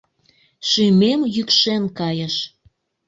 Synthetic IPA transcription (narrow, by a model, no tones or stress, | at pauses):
ʃymemjykʃenkɑjə̆ʃ